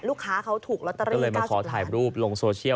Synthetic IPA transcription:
luː˥˩kʰːaː˦˥kʰa˦˥wt̪ʰuː˨˩k̚lo˦˥˧ɾiɔː˥˩˧lɤː˧jma˧kʰɔː˩˦t̪ʰaː˨˩jɾuː˥˩p̚lo˧ŋsoː˧t͡ɕʰi˥˩ə

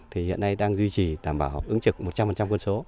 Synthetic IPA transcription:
t̪ʰi˨˩hḭ˧˨ənːa˧jɗaː˧ŋzwi˧t͡ɕi˨˩ɗaː˧˩mɓaː˧˩wʔɨ˨˦ŋt͡ɕɨ˨˩k̚mo˨˩t̚t͡ɕa˧mfə˨˩nt͡ɕa˧mkwə˧nso˨˦

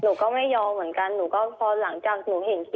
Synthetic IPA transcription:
nuː˨˩˦kɔː˥˩ma˥˩jːɔː˧mɯ˩˦ənka˧nːnuː˩˦kɔː˥˩pʰɔː˧la˩˦ŋt͡ɕaː˨˩k̚nuː˨˩˦ɦe˨˩nk

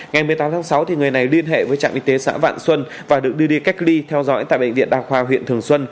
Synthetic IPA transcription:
ŋa˨˩jmɨ˨˩əjt̪aː˨˦mt̪ʰaː˨˦ŋsa˨˦wt̪ʰi˨˩ŋɨ˨˩əjna˨˩jli˧ənɦḛ˧˨vəː˨˦jt͡ɕa̰ː˧˨mʔi˧t̪e˨˦sa̰ː˧˥va̰ː˧˨nswə˧n | vaː˨˩ɗɨ˨˩ək̚ɗɨ˧əɗi˧ka˦˥jk̚li˧t̪ʰɛ˧wzɔ̰˧˥jt̪a̰ː˧˨jɓə̰˧ŋ̟vḭ˧˨ənɗaː˧xwaː˧ɦwḭ˧˨ənt̪ʰɨ˨˩əŋswə˧n

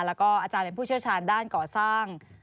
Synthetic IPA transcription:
lɛː˦˥wkɔː˥˩ʔaː˧˩t͡ɕaː˧npe˧npʰuː˥˩i˥˩wt͡ɕʰaː˧ndaː˥˩nkɔː˨˩saː˥˩ŋ

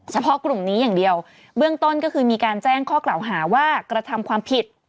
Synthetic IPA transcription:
t͡ɕʰa˧pʰɔ˦˥klu˨˩mniː˦˥jaː˨˩ŋdi˧əw | bɯ˥˩əŋt̪o˥˩nkɔ˥˩kʰɯː˧miː˧kaː˧nt͡ɕɛː˥˩ŋkʰɔː˥˩kla˨˩wɦaː˩˦waː˥˩kɾa˧t̪ʰa˧mkʰwaː˧mpʰi˨˩t̪̚

